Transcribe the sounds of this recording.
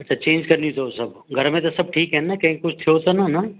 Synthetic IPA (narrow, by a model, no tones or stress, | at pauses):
ɐtt͡ʃʰat͡ʃẽːnd͡ʒkɐɾnit̪osɐb | ɡʱɐɾmẽt̪osɐb̚ʈʰiːkɦɛnakɐɦĩkkʊt͡ʃʰt̪ʰeot̪onana